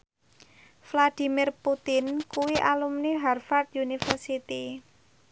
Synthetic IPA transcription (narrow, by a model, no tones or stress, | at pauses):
flad̪̥i̤mirput̪ɪnkuwiʔalumniɦarfart̪̚junifərsit̪i